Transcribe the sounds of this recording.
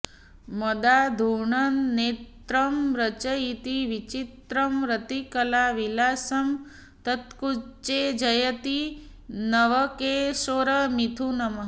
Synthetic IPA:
mɐd̪ad̪ʱuɳɐnːeːt̪ɾɐmɾɐt͡ʃɐit̪iʋit͡ʃit̪ɾɐmɾɐt̪ikɐlaːʋilaːsɐm | t̪ɐt̪kut͡ʃed͡ʒɐjɐt̪i | nɐʋɐkeʃoːɾɐmit̪ʰunɐmɐ

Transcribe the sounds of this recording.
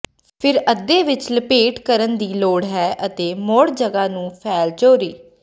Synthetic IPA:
pʰɪɾəd̪ːeːʋɪt͡ʃləpeːʈkəɾənd̪iːloːɽɦɛːʔət̪eːmoːɽd͡ʒəɡaːnũːpʰɛːlt͡ʃoːɾiː

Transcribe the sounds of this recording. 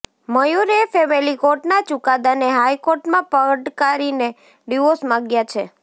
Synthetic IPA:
məjuɾefɛmilikoɾʈnat͡ʃukad̪aneɦajkoɾʈmãpəɖkaɾine | ɖiʋosmãɡjat͡ʃʰe

